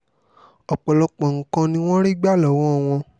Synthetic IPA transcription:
ɔ˨k͡pɔ˨lɔ˧k͡pɔ̃˨ŋ̩˨kã˧nĩ˧w̃ɔ̃˦ɾi˦ɡ͡ba˦˨lɔ˨˦w̃ɔ̃˦˨w̃ɔ̃˧

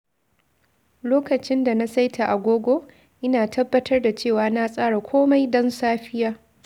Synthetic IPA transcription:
loː˦kɐ˨t͡ʃɪ˦nda˨na˦sa˦jtʰa˨ʔa˨ɡʷoː˦ɡʷoː˦ | ʔɪ˦naː˨tʰɐ˦bːɐ˦tʰɐ˦rda˨t͡ʃeː˦˨waː˨na˦sʼaː˦ɽa˨kʷʰoː˦ma˦jdɔ˦nsaː˦ɸɪ˦jaː˦

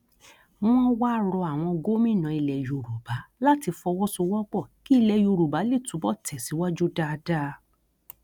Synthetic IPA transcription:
m̃ɔ̃˦wa˦ɾɔ˧a˨w̃ɔ̃˧ɡo˦mĩ˦˨nã˨˧i˧lɛ˨jo˨ɾu˨ba˨˦la˦ti˧fɔ˧wɔ˦so˧wɔ˦k͡pɔ˦˨ki˦i˧lɛ˨jo˧˨ɾu˨ba˨˦le˦˨tũ˨˦bɔ˦˨tɛ˨si˨˦wa˦d͡ʒu˦da˦˧da˦˧

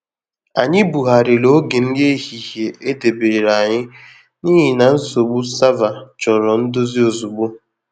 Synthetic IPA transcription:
a˨ɲɪ˦bu˨ɦa˨ɾɪ˨lo˦ɡe˨n̩˦de˦hi˨ɦje˨ʔe˦de˨beː˨ɾa˨ɲɪ˦ | niː˦ɦɪ˨na˨n̩˦so˨ɡ͡bu˦sa˦va˨t͡ʃɔ˨ɾɔ˨n̩˦do˦zi˦o˨zu˨ɡ͡bu˦

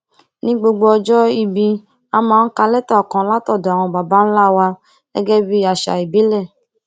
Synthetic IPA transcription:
nĩ˦ɡ͡bo˧ɡ͡bo˧ɔ˧d͡ʒɔ˦i˧bi˧ | a˧mãː˨˦˧n̩˦ka˧lɛ˦ta˦˨ɔ˨kã˨˦la˦tɔ˦˨do˨a˨w̃ɔ̃˧ba˨ba˦n̩˦la˦˨wa˧ | ɛ˦ɡɛ˦bi˦a˨ʃa̰˨i˨bi˨˦lɛ˦˨

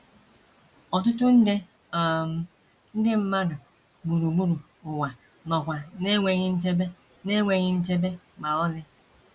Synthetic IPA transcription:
ɔ˨t̬ʊ˦tʊ˦n̩˦de˦˨ | m˨ | n̩˦dɪ˦m̩˦ma˦dʊ˨ | ɡ͡bu˨ɾu˨ɡ͡bu˦ɾu˨ | ʊ˨ŋʷa˨ | nɔ˨kʷa˨ne˦ŋʷe˨ɣɪ˦n̩˦t͡ʃe˦be˦ | ne˦ŋʷe˨ɣɪ˦n̩˦t͡ʃe˦be˦ | ɡ͡ba˨ɔ˦lɪ˦

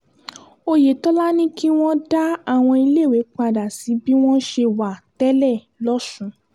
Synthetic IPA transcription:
o˧je˨tɔ˦la˦nĩ˦ki˦w̃ɔ̃˦da˦a˦˨w̃ɔ̃˧i˧le˦˨we˨˦k͡pa˧˨da˨si˨˦bi˦w̃ɔ̃˦ʃe˧wa˨tɛ˦lɛ˦˨ | lɔ˦sũ˧

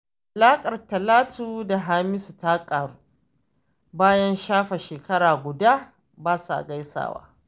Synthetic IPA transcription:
ʔa˨laː˦kʼɐ˨rtɐ˨laː˦tʰu˦da˨ɦaː˦mɪ˦sta˦kʼaː˨ɽuː˦ | baː˦jɐ˦nʃaː˦ɸa˨ʃeː˨kɐ˦ɽaː˨ɡʷʊ˨daː˦ | baː˦su˨ʔa̰˨ɡa˦jsa̰ː˨wa̰ː˦

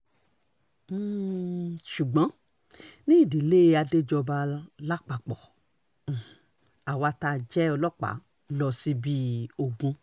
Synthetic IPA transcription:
ʃu˨ɡ͡bɔ̃˨˦ | nĩ˦i˦˨di˨le˦˧a˧de˦d͡ʒɔ˧ba˧la˦k͡pa˨k͡pɔ˨ | a˨wa˧ta˧d͡ʒɛ˦ɔ˧lɔ˦k͡pa̰˨˦ | lɔ˧si˦bi˦o˨ɡũ˧

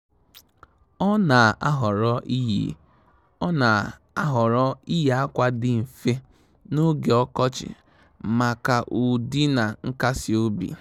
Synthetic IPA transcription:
ɔ˦na˨a˦ɦɔ˨ɾɔ˦ʔi˦ɦḭ˦ | ɔ˦na˨ | a˦ɦɔ˨ɾɔ˦i˦ja˦kʷa˦dɪ˦m̩˨fe˦ | no˦ɡe˨ɔ˦kɔ˦t͡ʃɪ̰˨ | ma˨ka˨ʔu˨di˦na˨ŋ̩˦ka˦si˨o˦bḭ˨

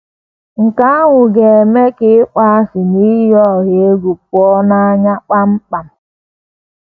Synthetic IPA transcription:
ŋ̩˨ka˦a˦ŋʊ˨ɡe˨e˨me˦kɪ˦k͡pa˦a˦sɪ˨ni˦jɔ˦˨ɣe˨e˦ɡu˨p̚ɔ˦na˦ɲa˦k͡pa˦m̩˦k͡pa˨m̩˨

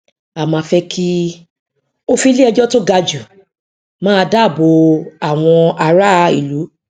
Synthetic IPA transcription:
a˨mã˧fɛ˧kʰi˦ | o˦fi˧˦li˦ɛ˧d͡ʒɔ˦to˦ɡa˧d͡ʒu˨ | mãː˦˧da˦˨bo˧a˦˨w̃ɔ̃˧a˧ɾa˦˧ḭ˦˨lu˨˦

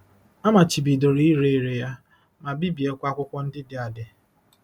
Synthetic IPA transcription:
a˦ma˨t͡ʃi˨bi˨do˨ɾi˦i˦ɾe˦e˨ɾe˨ja˦ | ma˨bi˦bi˨e˦kʷa˦kʷʊ˦kʷɔ˦n̩˦dɪ˦dɪ˨a˨dɪ˨

